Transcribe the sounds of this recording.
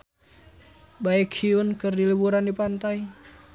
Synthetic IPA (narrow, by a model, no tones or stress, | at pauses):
baɛkʰiwənkərdilibuɾandipant̪ai